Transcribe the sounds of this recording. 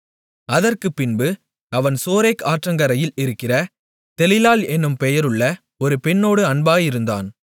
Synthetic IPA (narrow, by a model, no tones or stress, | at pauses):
ɐðɐrkɯpːɪnbɯ | ɐʋɐnsoːɾeːkaːʈrɐŋɡɐɾɐjɪlɪɾɯkːɪrɐ | t̪ɛlɪlaːlɛnːɯmpɛjɐɾɯɭːɐ | ɔɾɯpɛɳːoːɽɯɐɳbaːjɪɾɯnd̪a̰ːn